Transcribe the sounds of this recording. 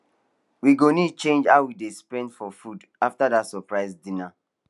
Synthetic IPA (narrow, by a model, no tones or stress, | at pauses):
wiɡonidt͡ʃẽnd͡ʒaʊwidespɛ̃ndfɔfud | aftadatsɔpɹaɪzdĩna